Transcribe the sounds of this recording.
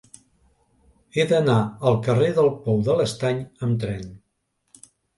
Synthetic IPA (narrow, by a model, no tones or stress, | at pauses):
eðənaəlˠkəreðəlˠpɔwðələst̪aɲəmt̪ɾɛn